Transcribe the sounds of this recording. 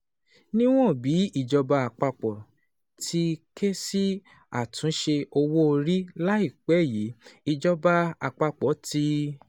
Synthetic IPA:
nĩ˦w̃ɔ̃˦˨bi˨˦i˦˨d͡ʒɔ˧ba˧a˨k͡pa˧k͡pɔ˨ | tʰi˦kʰe˦si˦ | a̰˨tũ˨˦ʃe˧o˧wo˦o˧ɾi˦la˦i˦˨k͡pɛ˨˦˨ji˨˦i˧d͡ʒɔ˧ba˧a˧k͡pa˧k͡pɔ˨˦ti˧˦

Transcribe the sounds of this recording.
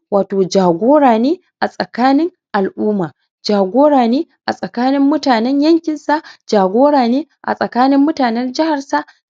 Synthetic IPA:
waː˨toː˨d͡ʒaː˨ɡʷoː˦ɽaː˨neː˦ | ʔa˨sʼɐ˨kaː˦nɪ˦ŋ | ʔa˨lʔuː˦maː˨ | d͡ʒaː˨ɡʷoː˦ɽaː˨neː˦ʔa˨sʼɐ˨kaː˦nɪ˦mːʊ˦taː˨nɛ˦ɲjɐ˦ŋkʲɪ˨nsa˦d͡ʒaː˨ɡʷoː˦ɽaː˨neː˦ | ʔa̰˨sʼɐ˨kaː˦nɪ˦mːʊ˦taː˨nɛ˦rd͡ʒɪ˦ha˨rsa˦

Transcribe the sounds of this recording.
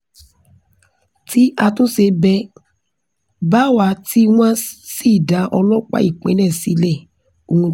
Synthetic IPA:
ti˦ʔa˧tõ˦se˧bɛ˧ | ba˦wa˧˦ti˦w̃ã˦si˦˨da˨˦ʔɔ˧lɔ˦k͡pa̰˨˦i˦˨k͡pɛ̰̃˨˦nɛ̃˦˨si˨˦lɛ˦˨ | o˧ũ˧

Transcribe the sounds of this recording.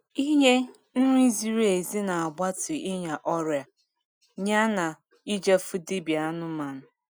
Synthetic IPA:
i˦ɲe˦ | n̩˦ɾi˦zi˦ɾe˨zi˦na˨a˨ɡ͡ba˦tɪ˨ʔi˦ɲa˨ʔɔ˦ɾja˨ | ɲa˦na˨ | i˦d͡ʒa˦fu˦di˦bi˨a˦nʊ˦ma˨nʊ˨

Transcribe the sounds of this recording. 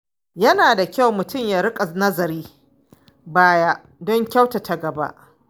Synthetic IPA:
jɐ˦naː˨da˨kʲa˦˨wmʊ˨tʊ˦mjaː˦ɾɪ˦kʼa˨nɐ˦zɐ˨ɾiː˦ | baː˦ja˦ʔ | dɔ˦ŋkʲa˦wta˨tʰa˨ɡɐ˨ba̰˦ʔ

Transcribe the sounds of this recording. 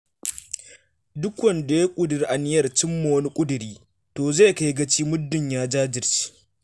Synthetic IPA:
dʊ˦kʷwɐ˨nda˨ja˦kʷʼʊ˦dɪ˨ɾʔa˨nɪ˦jɐ˦˨rt͡ʃɪ˦mːa˨wɐ˦ni˦kʷʼʊ˦dʊ˨ɾiː˦ | toː˨zeː˦˨ka˦jɡɐ˦t͡ʃiː˦mʊ˦dːɪ˨ɲjaː˦d͡ʒaː˦d͡ʒɪ˨rt͡ʃi̥˦

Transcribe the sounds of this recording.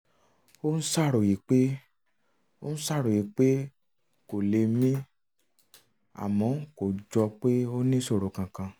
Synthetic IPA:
o˦n̩˦sa˦˨ɾo˨ji˨˦k͡pe˦ | o̰˦n̩˦sa˦˨ɾo˨ji˨˦k͡pe˦ | ko˨le˧mĩ˦ | a̰˨mɔ̃˨˦ko˨d͡ʒɔ˧k͡pe˦o˦nĩ˦so˦˨ɾo˨kã˨kã˧

